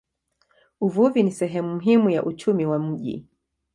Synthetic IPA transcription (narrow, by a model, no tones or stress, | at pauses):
uvuvinisɛɦɛmum̩ɦimujaʔut͡ʃumiwam̩ʄḭ